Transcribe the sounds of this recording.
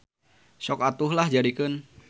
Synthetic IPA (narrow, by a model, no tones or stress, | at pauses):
sɔkat̪ʊhlahd͡ʒadikən